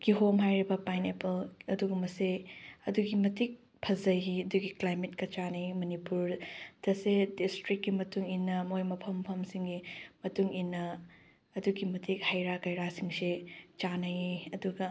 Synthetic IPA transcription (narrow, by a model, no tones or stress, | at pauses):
ɡ̥iɦomɦajɾibɐpajnepʰɐlɐduɡumɐseɐduɡimɐtik̚ | pʰɐzɐjɦiɐduɡiklajmet̚kɐt͡ʃanɐjimɐnipuɾd̥ɐsedistɾikːimɐtuŋinːɐmojmɐpʰɐmpʰɐmsiŋɡimɐtuŋinːɐː | duɡimɐtʰik̚hajɾakɐjɾasiŋset͡ʃanɐjiɐduɡɐ